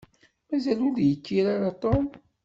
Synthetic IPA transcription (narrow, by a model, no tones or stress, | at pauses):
mæzæluðjəkːiɾaɾat̪ˤom